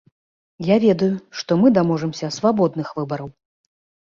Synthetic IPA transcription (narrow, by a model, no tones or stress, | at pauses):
javʲɛd̪ɐjuʂt̪ɔmɨd̪amɔʐɛmsʲɐsvabɔd̪nɨxvɨbɐɾɐw